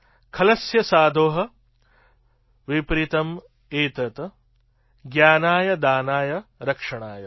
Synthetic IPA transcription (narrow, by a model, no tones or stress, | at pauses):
kʰɐlɐsjɐsaːd̪ʱoːɦɐ | ʋipɾit̪ɐm | eːt̪ɐt̪ɐ | ɡjaːnaːjɐd̪aːnaːjɐɾɐkʂɐɳaːjɐ